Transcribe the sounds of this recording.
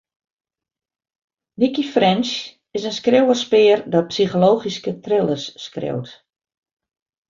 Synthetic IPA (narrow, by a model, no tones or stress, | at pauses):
nikifrɛnʃ | ɪsənskrewərspɪːrdɔpsiχoloːχiskətrɪlˠəsːkrḛwt